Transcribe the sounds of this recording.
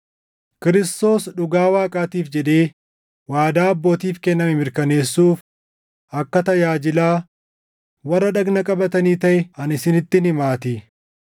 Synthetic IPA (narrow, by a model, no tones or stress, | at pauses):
kɪɾɪst̪o̞ːsᶑʊɡaːwaːkʼaːt̪iːfd͡ʒɛd̪e̞ː | waːd̪aːɐbːo̞ːt̪iːfkɛnːɐmɪmɪɾkɐne̞ːsːuːf | ʔɐkːɐt̪ɐjaːd͡ʒɪlaː | wɐrːɐᶑɐɡnɐkʼɐbɐt̪ɐniːt̪ɐʔɛɐnɪsɪnɪt̪ːɪnɪmaːt̪ɪ